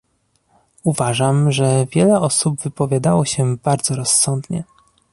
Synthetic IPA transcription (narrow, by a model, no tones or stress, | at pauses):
uvaʐamʐɛvʲjɛlɛɔsubvɘpɔvʲjad̪awɔɕɛbaɾd̪zɔɾɔsːɔnd̪ɲɛ̰